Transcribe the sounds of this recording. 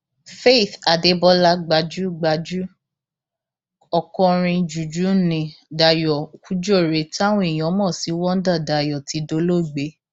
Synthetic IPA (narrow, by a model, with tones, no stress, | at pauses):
fe˦˨θa˨de˨˦bɔ˦la˧˦ɡ͡ba˧˦d͡ʒu˦ɡ͡ba˧d͡ʒu˦ | ɔ˨kɔ̃˧ɾ̃ĩ˧d͡ʒu˨d͡ʒu˨˦nĩ˧da˨jɔ˨ku˨˦d͡ʒɔ˦˨ɾe˨˦ta˦wɔ̃˦i˨j̃ɔ̃˨˦mɔ̃˦˨si˨˦wɔ̃˦n̩˦da˦˨da˨jɔ˨ti˨˦do˧˦lo˦˨ɡ͡be˨˦